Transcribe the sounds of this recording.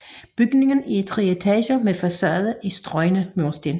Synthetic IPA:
b̥yɡ̥ne̝ŋn̩iet͡sʰʁiet͡sʰɛːɕomefɒsɶ̰ɐðˠəʔisd̥ʁɒ̽ɪnəmosd̥en

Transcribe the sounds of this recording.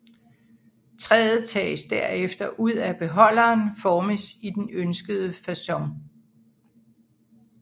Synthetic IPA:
t͡sʰʁɛːð̩ˠt͡sʰɛ̰ːsd̥æɐ̰efd̥ɐʔuð̞̰ˠæb̥e̝ɦɒ̽l̰ɐːnfɒːməsid̥enønsɡ̥əð̞ˠəfæsɒ̽ŋ

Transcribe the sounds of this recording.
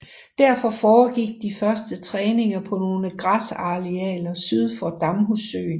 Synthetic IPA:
d̥æɐ̰fɒ̽fɒːɡ̥iɡ̥̚d̥ifɶɐsd̥ət͡sʰʁɛːne̝ŋɐpʰɒ̽no̝ːləɡ̥ʁɑsɑ̈ʁiɛ̰ːlɐsyð̞ˠfɒd̥ɑ̈mɦusø̰ːn

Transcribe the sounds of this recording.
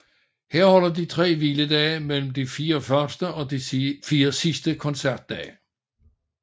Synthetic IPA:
heɐ̰hɒ̽l̰ɐd̥it͡sʰʁɛ̰ːʋiləd̥ɛːmel̰m̩d̥ifiːɐɒfɶɐsd̥əɒ̽d̥ifiːɐsisd̥əkʰɒ̽nsæɐd̥ːɛ̰ː

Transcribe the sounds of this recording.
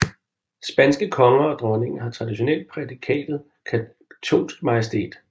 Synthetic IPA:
sb̥ænsɡ̥əkʰɒ̽ŋɐɒ̽d̥ʁɒ̽ne̝ŋ̩ɦɑ̈t͡sʰʁɑ̈d̥iɕo̝nel̰d̥̚pʰʁɛd̥ikʰɛ̰ːd̥ð̩ˠ | kʰæ | t͡sʰo̝̰ːnsɡ̥mɑ̈jesd̥e̝̰ːd̥

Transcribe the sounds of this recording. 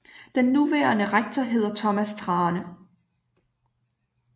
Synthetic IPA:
d̥enːuʋæːɐnəʁaɡ̥̚t͡sʰɒɦe̝ð̰ˠɐt͡sʰɒ̽mæst͡sʰʁɑ̈ːnə

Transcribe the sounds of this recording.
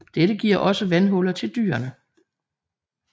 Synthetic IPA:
d̥eɾəɡ̥iɐ̰ʔɒ̽səʋænɦɔ̽lɐt͡sʰe̝ld̥y̰ːɐnə

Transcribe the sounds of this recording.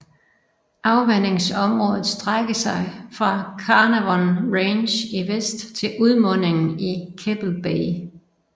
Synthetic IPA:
ʔɑ̈ʊʋen̰e̝ŋsɒ̽mʁɔ̽ːðˠð̩ˠsd̥ʁaɡ̥əsɑ̈ɪfʁɑ̈kʰɑnəʋɒnʁeːnɕiʋesd̥t͡sʰe̝lʔuð̞ˠmɔ̽n̰e̝ŋn̩ikʰeb̥l̩b̥eɪ

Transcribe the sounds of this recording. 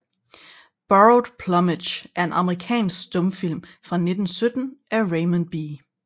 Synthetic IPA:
b̥ɑod̥pʰlɒ̽meɕʔæɐe̝nɑ̈məʁikʰɛ̰ːnsɡ̥sd̥ɔ̽mfil̰mfʁɑ̈ne̝d̥n̩sød̥n̩ʔæʁeɪmænb̥iː

